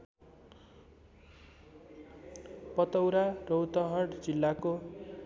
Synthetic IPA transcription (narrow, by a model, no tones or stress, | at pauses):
pʌt̪ʌwɾarowt̪ʌɦʌɽd͡zilːako